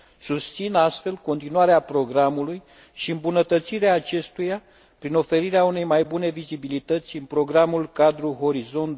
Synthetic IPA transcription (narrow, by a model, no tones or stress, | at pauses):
sust̪sinast̪fe̞lko̞nt̪inuwaɾeapɾo̞ɡɾamuluj | ʃiɨmbunət̪ət̪siɾeaːt͡ʃe̞st̪uja | pɾino̞fe̞ɾiɾeaune̞jmajbune̞vizibilit̪ət̪sʲɨnpɾo̞ɡɾamulkad̪ɾuɦo̞ɾizo̞nt̪